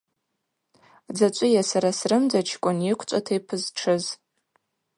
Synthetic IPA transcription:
d͡zat͡ʃʷʼʊjasaɾasrɨmd͡zat͡ʃʰkʷʼʊnjɪkʷʰt͡ʃʷʼatʰejpʰɨzʈ͡ʂʰɨz

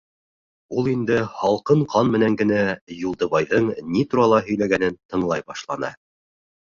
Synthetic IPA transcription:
ulˠind̪ɘhɑlˠqɤɴqʰɑnmɘ̆næŋɡɘ̆næjulˠd̪ɤ̆βɑjðɤɴnit̪uɾɑlˠɑɦɵ̆jlæɡænɘnt̪ɤ̆ɴlˠɑjbɑʃlˠɑnɑ̰

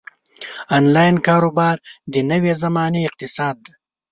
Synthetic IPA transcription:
aːnlɑːjnkɑːɾobɑːɾd̪ənəwezamɑːneɪq̚t̪ɪsɑːd̪̚ːa

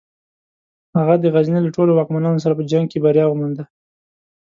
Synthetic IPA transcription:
haɣad̪əɣaznelaʈolowɑkmanɑnos̬aɾapəd͡ʒaŋɡ̚kebaɾjɑɣmand̪a

